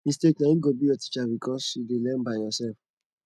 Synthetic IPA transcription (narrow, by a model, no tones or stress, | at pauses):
ĩsteknãĩɡobijɔti̥t͡ʃabikʰɔsidelɛ̃nbajjɔsɛlf